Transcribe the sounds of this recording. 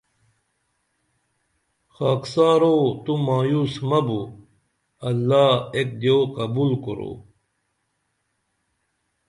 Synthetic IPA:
xaːksaːɾot̪umaːjuːsmɐbu | ɐlːaːek̚d̪joːqɐbuːlko̰ɾo̰ː

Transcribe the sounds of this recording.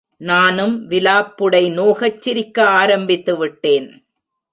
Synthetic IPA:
naːnɯmʋɪlaːpːɯɽɐɪnoːɣɐt͡ʃːɪɾɪkːɐaːɾɐmbɪt̪ːɯʋɪʈːeːn

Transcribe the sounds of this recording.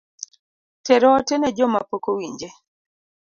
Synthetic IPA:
tɛɾɔtɛnɛd͡ʒɔma̰pokowiɲd͡ʒe

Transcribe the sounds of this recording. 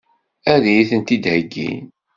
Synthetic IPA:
æðijiθənt̪id̪həɡːḭn

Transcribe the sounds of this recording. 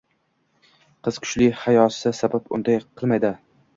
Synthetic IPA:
qʰɨz̥kʰʊ̥t͡ʃlɪhajɒsɪsabapʊ̰nd̪ajqʰɨlˠmajd̪ɪ

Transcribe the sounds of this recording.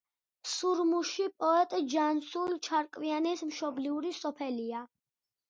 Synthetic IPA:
suɾmuʃipʼɔɛt̪ʼd͡ʒansult͡ʃʰaɾkʼvianɛsmʃɔbliuɾisɔpʰɛlia

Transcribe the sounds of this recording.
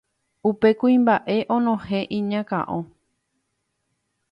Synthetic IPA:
upe̞kuĩmbaʔe̞ʔõnõhẽʔĩɲãkã̰ʔõ

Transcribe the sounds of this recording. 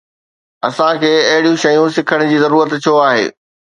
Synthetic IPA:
ɐsãkʰeːɐɦɪɽijũʃɐjũsɪkʰəɽ̃̆d͡ʑiːzɐɾuːɾət̪t͡ɕʰoaːɦḛː

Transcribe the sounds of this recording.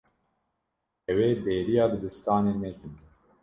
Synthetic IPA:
ɛweːbeːɾijɑːbɨd̪ɨst̪ɑːneːmɛkɨn

